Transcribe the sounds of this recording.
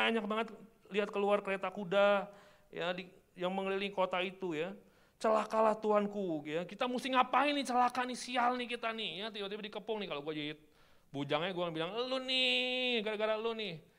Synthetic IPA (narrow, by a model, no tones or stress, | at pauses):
aɲak̚baŋət̪ | liɦat̪̚kəluarkəɾet̪akuda | jadi | jaŋməŋəlilikot̪ait̪uja | t͡ʃəlakalaht̪uɦankuɡakit̪amust̪ɪŋapainɪt͡ʃəlakanisialnɪhkit̪anɪhjat̪ibat̪̬ibadikəpʊŋnɪkaloɡuad͡ʒaɪt̪̚ | bud͡ʒaŋɲaɡuakanbilaŋəlunɪɡadaɡaɾaəlunɪh